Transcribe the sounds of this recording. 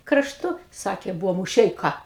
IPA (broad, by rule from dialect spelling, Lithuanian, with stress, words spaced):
krɐʃˈtʊ ˈsɑːkʲeː ˈbʊʋoː mʊˈʃʲɛɪkɐ